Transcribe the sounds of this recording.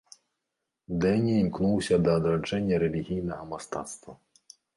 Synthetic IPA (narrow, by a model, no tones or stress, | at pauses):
d̪ɛnʲimʲknuwsʲɐd̪ɐːd̪ɾad͡ʐɛnʲːɐɾɛlʲiɣʲijnɐɣɐmɐst̪a̰t̪st̪vɐ